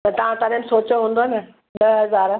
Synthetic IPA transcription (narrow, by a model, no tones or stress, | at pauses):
t̪ɐt̪ɐʋ̤ãt̪ɐɾẽmsoːt͡ɕoɦũːnd̪onɐ | ɗɐɦɐzaːɾ